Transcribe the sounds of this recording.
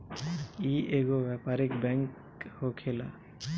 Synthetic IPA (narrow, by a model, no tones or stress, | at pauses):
iʔeɡɔbapaɾikbɛŋk | hokʰɛla̰